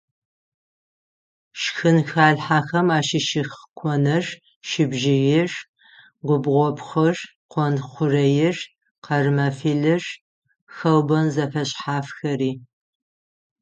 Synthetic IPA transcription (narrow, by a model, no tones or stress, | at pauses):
ʃxɨnxaːɬħaːxɐmaːʃɪʃɪxkʷʰɔnɐr | ʃɪbʒɪjɪr | ɡʷʊbʁʷɔpχɐr | qʷɔnχʷʊrɐjɪr | qɐrmɐfiːɮɨʐ | xɐwbɐnzɐfɐɕʼħaːfxɐriː